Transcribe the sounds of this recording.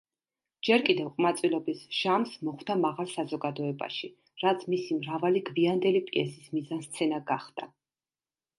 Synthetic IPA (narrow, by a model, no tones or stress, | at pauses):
d͡ʒɛɾkʼid̪ɛvqʼmat̪sʼwilˠɔbisʒ̥amsmɔχwd̪amaʁalˠsazɔɡad̪ɔɛba̰ʃi | ɾat̪sʰmisimɾavaliɡviand̪ɛlipʼiɛsismizanst̪sʰɛnaɡaχd̪̥a